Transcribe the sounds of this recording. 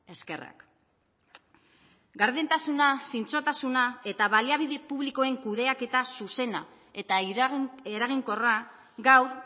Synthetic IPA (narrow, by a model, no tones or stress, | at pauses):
e̞ske̞ra̰k | ɡaɾðent̪asunasint͡so̞t̪asunae̞t̪aβaliaβ̞iðe̞puβliko̞e̞ŋkuðe̞ake̞t̪asuse̞na | et̪a | eɾaɣ̞iŋko̞ra | ɡawɾ